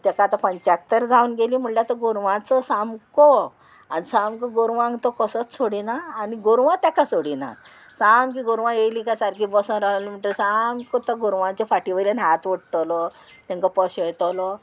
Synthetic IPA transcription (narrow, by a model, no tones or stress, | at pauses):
t̪akaːt̪apəɲt͡ɕak̚t̪əɾd͡zaunɡeliːm̤uɳlat̪əɡuɾʋãt͡səsamkɔ | anisamkəɡoɾʋãŋɡt̪ɔkəsət͡ssoɽinaːniɡoɾʋãt̪jakasoɽina̰ | samk̬iɡoɾʋãjelikasaɾkibɔsə̃ɾalim̤əɳʈ̪əsamkɔt̪əɡuɾʋãɲt͡ɕafaʈiʋəlanɦat̪ʋəɽʈəlɔ | t̪ãŋkapɔɕet̪əlɔ